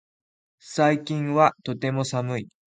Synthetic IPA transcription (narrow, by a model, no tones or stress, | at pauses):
saikʲĩɰ̃βat̪o̞t̪e̞mo̞samɯ̟i